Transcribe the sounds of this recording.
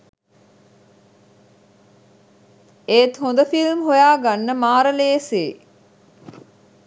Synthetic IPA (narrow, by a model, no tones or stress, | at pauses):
eːt̪hond̪əfilmɦojaːɡanːəmaːɾəleːseː